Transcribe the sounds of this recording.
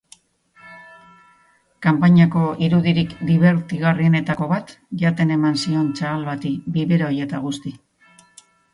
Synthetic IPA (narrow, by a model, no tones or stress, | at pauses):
kampaɲako̞ʔiɾuðiɾikd̪iβe̞ɾt̪iɣarie̞ne̞t̪ako̞βat̪ | ʝat̪e̞ne̞mansio̞nt͡ʃaːlβat̪ibiβeɾaoje̞t̪aɣ̞ust̪i